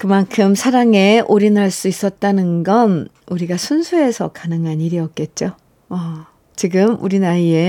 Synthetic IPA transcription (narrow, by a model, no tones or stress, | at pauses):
kɯmankʰɯmsʰaɾaŋe̞ʔoɾinaɭs͈uis͈ʌt̚t͈anɯnɡʌn | uɾiɡasʰunsʰue̞sʰʌ̰kanɯŋɦaniɾiʌk̚k͈e̞t̚t͡ɕ͈o | ʌ | t͡ɕiɡɯmuɾinaie̞